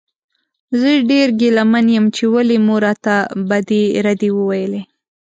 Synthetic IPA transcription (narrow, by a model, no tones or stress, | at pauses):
zəɖeɾɡelamanjəmt͡ʃewalemuɾɑt̪abad̪eɾad̪ewəwajəle